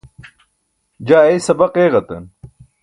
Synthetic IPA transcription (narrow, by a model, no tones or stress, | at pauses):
d͡ʑaːejsɐbɐqeːɣɐt̪ɐ̰n